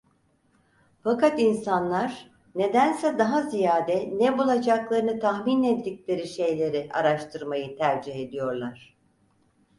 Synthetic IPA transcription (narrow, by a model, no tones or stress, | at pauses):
fakat̪insanlˠaɾ̥ | ne̞d̪ænsɛd̪aɦazijaːd̪ɛnɛbulˠad͡ʒaklˠaɾɯnɯt̪ʰaxminɛt̪dicʲlʲe̞ɾiʃe̞jlʲe̞ɾiʔa̰ɾaʃt̪ʰɯɾmajɯt̪ʰæɾd͡ʒiɦe̞d̪ijo̞ɾlˠaɾ̥